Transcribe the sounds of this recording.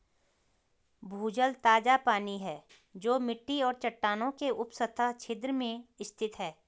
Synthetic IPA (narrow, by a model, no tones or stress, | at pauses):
bʱuːd͡ʒəlt̪aːd͡ʒapaːniɦɛː | d͡ʒoːmɪʈːiɔːɾt͡ʃɐʈːaːnõkeʔʊpsət̪ʰat͡ʃʰɪd̪ɾəmẽɪst̪ʰɪt̪ɦɛː